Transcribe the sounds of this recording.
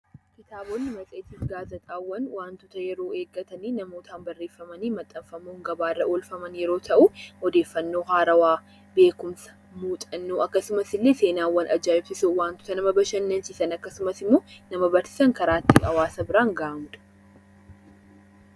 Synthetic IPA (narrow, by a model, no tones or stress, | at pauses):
kɪt̪aːboːnːɪmɐt͡sʼeːt̪iːfɡaːzɐt̪ʼaːwːɐnwaːnt̪ʊt̪ɐjɛɾo̞ːe̞ːɡːɐt̪ɐniːnɐmoːt̪ʰaːnbɐrːeːfːɐmɐniːmɐt̪ʼːɐfɐmuːŋɡɐbaːrːɐʔoːlfɐmɐnjɛɾo̞ːt̪ʰɐʔuɔd̪e̞ːfːɐnːo̞ːhaːɾɐwaː | be̞ːkʊmsɐ̥ | muːt̪ʼɐnːuːʔɐkːɐsʊmɐsɪlːeːse̞ːnaːwːɐnɐd͡ʒːaːɪbsɪsuwaːnt̪ʊ̥t̪ɐnɐmɐbɐʃɐnːɐnsɪsɐnɐkːɐsʊmɐsɪmːoːnɐmɐbɐɾsɪ̥sɐŋkɐɾaːt̪ːɪɐwaːsɐbɪɾaːŋɡaʔɐmʊd̪ɐ̥